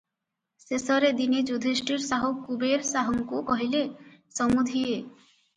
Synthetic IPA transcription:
sesɔɾed̪inid͡ʒud̪ʱisʈiɾsaɦukubeɾsaɦɔŋkukɔɦilesɔmud̪ʱie

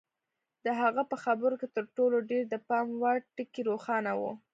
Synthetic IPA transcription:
d̪əɦaɣapəxabəɾoket̪əɾʈoloɖeɾd̪əpɑmwɑʈɪkiɾoxɑnawṵ

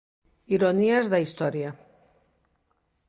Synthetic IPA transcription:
iɾoniazðaist̪ɔɾja

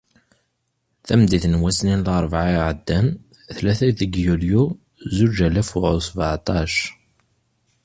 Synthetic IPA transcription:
θæmd̪iθnwæsninlɑɾˤvʕaʕəd̪ːæn | θlæθæðəɡjulju | zud͡ʒælæfuʕʊsvʕt̪ˤɑʃ

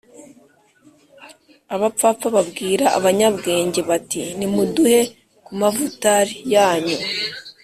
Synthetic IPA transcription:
aβap͡fapp͡faβabɡiːɾaa̰βaɲabɡe̞ːɲɟe̞βatinimuduhe̞ | kumavutaɾijaːɲu

